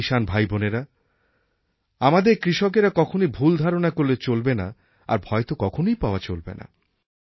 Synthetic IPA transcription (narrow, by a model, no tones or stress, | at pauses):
iʃanbʱajboneɾa | amad̪eɾkɾiʃok̬eɾakɔkʰonibʱuld̪ʱaɾonakoɾːet͡ɕolbena | a̰ɾbʱɔet̪okɔkʰonojpaoat͡ɕolbḛna̰